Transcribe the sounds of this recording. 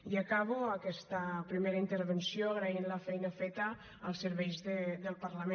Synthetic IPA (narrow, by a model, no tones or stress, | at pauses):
iakaβ̞uəkɛst̪əpɾimeɾəint̪əɾβensjoəɣɾainləfɛjnəfɛt̪əː | lˠsːəɾβɛjzðəd̪əlˠpaɾləmẽ